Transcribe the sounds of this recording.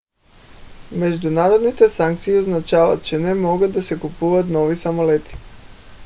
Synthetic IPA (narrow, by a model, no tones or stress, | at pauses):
meʒd̪unaːɾod̪nit̪esaŋk̚t̪sijioznat͡ʃaːʋa̰t̪̚t͡ʃenemoɡad̪asekupuʋat̪no̞ʋisamolet̪i̥